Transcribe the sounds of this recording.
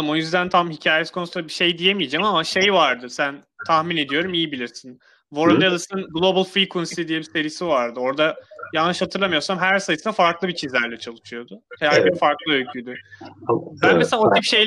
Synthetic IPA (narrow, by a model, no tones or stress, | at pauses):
ɯmo̞jyzd̪ænt̪ʰamhicʰaːjɛskʰo̞nsulabiʃe̞jd̪ije̞mijed͡ʒamamaʃe̞jvaɾd̪ɯsæn | t̪ʰahmine̞d̪ijo̞ɾumijibilʲiɾsin | vo̞ɾund̪jad̪ˠɯsɯnɡlˠo̞bɯlˠfɾikʰunsid̪ijebise̞ɾijsivaɾd̪ɯo̞ɾd̪ajalˠɯʃhat̪ʰɯɾlamɯjo̞ɾsamɦæɾsajɯsɯnafaɾklˠɯbit͡ʃʰizlʲæɾlʲɛt͡ʃʰalˠɯt͡ʃʰɯjo̞d̪ʊhʰejæɾbifaɾklˠɯølʲcʰyd̪y | bænmeselʲaot̪ʰipʃej